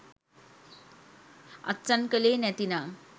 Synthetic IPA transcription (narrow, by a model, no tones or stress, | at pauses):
ə̰t͡sankəlenɛt̪ina